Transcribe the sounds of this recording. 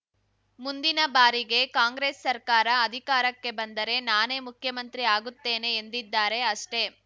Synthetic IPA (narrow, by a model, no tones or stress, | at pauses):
mund̪inɐbaːɾiɡe̞kaːŋɡɾeːsːɐɾkaːɾɐɐd̪ʱikaːɾɐkːe̞bɐnd̪ɐɾe̞naːneːmukʰjɐmɐnt̪ɾiaːɡut̪ːe̞ːne̞ːnd̪id̪ːaːɾe̞ɐʂʈe̞